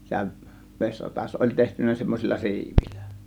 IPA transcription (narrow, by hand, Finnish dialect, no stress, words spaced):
sehæʋ ʋesʲrɑtɑs olʲ tehtynˑæ semːosʲilːɑ si̞iʋilˑæ̥